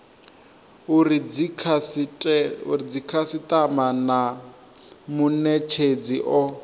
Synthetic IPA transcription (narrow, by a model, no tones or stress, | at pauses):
uriikʰasʼ | ṵɾid͡zikʰasitamana | munɛt͡ʃʰed͡ziʔɔ